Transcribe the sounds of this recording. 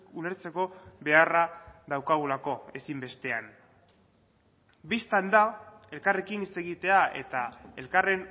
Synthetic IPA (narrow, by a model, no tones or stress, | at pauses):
ule̞ɾt͡se̞ko̞βe̞araðawkaɣ̞ulako̞e̞simbe̞st̪e̞an | bist̪and̪ae̞lkare̞kinit͡se̞ɣit̪e̞ae̞̰t̪ae̞lkare̞n